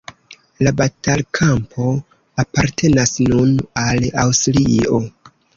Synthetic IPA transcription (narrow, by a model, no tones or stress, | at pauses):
labatalkʰampʰo̞ | apaɾtʰe̞nasnunalawstlio̞